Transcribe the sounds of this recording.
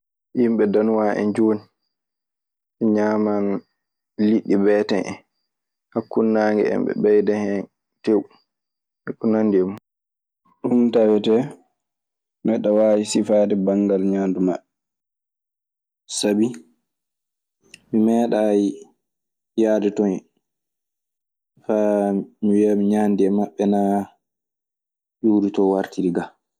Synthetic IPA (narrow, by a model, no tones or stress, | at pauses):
jimɓɛdanwaːʔɛ̰nd͡ʒoːni | ɛɲaːman | liɗːibɛːtɛnʔɛ̰ | hakːunːaːŋɡɛ̰ɛ̰mbɛ̰ɓɛjdɛhɛn | tewu | ɛkːunandɛmu | ɗuntawɛtɛ | mɛɗawaːjisifaːdɛbaŋɡalɲaːndumaɓɛ | sabi | mimɛːɗaji | jaːdɛtɔnɛ | famiwiamiɲaːndiɛmaɓːɛna | juɾitɔwaɾtiɾiɡa